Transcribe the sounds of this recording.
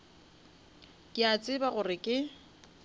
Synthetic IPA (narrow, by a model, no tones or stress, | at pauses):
kʼɪat͡sʼɪbaɣʊrɪkʼɪ